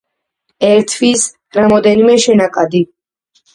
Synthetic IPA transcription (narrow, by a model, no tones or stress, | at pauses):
ɛɾt̪ʰvis | ɾamɔd̪ɛnimɛʃɛnakʼad̪i